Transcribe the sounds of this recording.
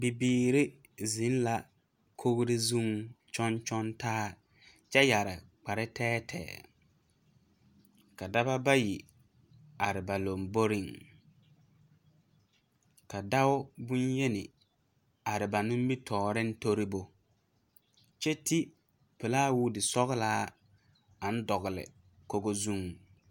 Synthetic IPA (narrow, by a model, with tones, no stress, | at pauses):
bi˨biː˦ɾɪ˦ | zɪ˨˦n˦la˨ | kʰo˦ɣɾɪ˦zu˦ŋt͡ʃɔ˦nt͡ʃɔ˦ntaː˦ | t͡ʃɛ˦ja˨ɾɪ̰˨k͡pa˨ɾɪ˦tɛː˦tʰɛ̰ː˨ | ka˨da˦ba˦ba˦ji˨ | a˨ɾɪ˨ba˨lo˨mbo˦ɾɪ˦˨ŋ | ka˨da˦wʊ˦bʊ˦nje˦nɪ̰˨ | a˨ɾɪ˨ba˨nʊ̃˦m˦bi˦tʰɔː˨ɾɪ˦n̩˦to˦ɾi˦bo˦ | t͡ʃɛ˦ti˦ | pɛ˨laː˦wuː˦dɪ˨sɔ˦ɣɪ˦laː˦ | a˨n̩˦dɔ˨ɣɪ˨lɪ̰˨ | ko˨ɡo˦zu˦ŋ